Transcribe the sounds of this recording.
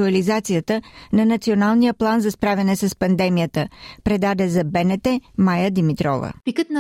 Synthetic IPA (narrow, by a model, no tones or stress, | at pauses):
uɐlizat̪sijət̪ənɐnɐt̪sionalˠnijəplˠanzɐspɾavʲɛnɛsɐspɐnd̪ɛmijət̪əpɾɛd̪ad̪ɛzɐbɛnɛt̪ɛmajəd̪imit̪ɾɔ̰və̰pikət̪nɐ